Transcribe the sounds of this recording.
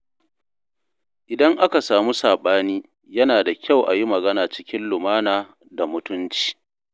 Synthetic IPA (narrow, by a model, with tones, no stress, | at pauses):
ʔɪ˨dɐ˦ŋʔa˦ka˨saː˨mu˦saː˨ɓaː˦niː˦ | jɐ˦naː˨da˨kʲa˦˨wʔa˨ji˦mɐ˨ɡɐ˦naː˨t͡ʃɪ̥˦kʲɪ˦nlʊ˨maː˦naː˨ | da˨mʊ˦tʊ˦nt͡ʃi̥ː˨